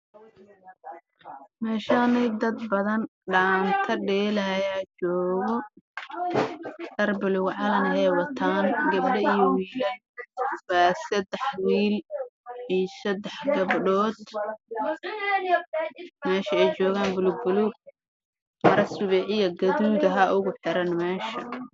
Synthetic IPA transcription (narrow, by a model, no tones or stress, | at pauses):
mɛːʃaːnɛjd̪ɐd̪bɐðɐnɖaːnt̪ʰɐɖɛːlɐjaːt͡ʃɔːɣɔ | d̪ɐrbʊlʊɣʕɑlɐnhɛːwɐt̪ʰaːnɡɐbɖɐijɔwiːlɐn | baːsɐd̪ɛħwiːlʕijsɐd̪ɛħɡɐbɖɔːd̪ | mɛːʃɐɛjt͡ʃɔːɣaːnbʊlʊɡ̚bʊluɡ̚ | mɐɾɐsʊβɛːʕɪjɐɡɐðuːðɐɦɐʔʊɣʊħɪɾɐnmɛːʃɐ